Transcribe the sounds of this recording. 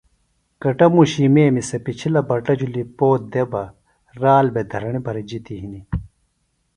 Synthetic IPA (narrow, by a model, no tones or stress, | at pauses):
kɐʈɐmuɕimeːmisɐpit͡ɕʰilɐbɐʈɐd͡ʑulipoːt̪̚d̪ebɐ | ɾaːlbed̪ʱɐɾɐɳibʱɐɾid͡ʑit̪iɦini